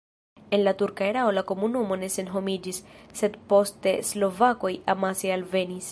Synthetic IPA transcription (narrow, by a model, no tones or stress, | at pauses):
e̞nlatuɾkaeɾao̞lako̞munumo̞ne̞se̞nɦo̞mid͡ʒisːe̞dpo̞ste̞slo̞vako̞jʔamasealve̞nis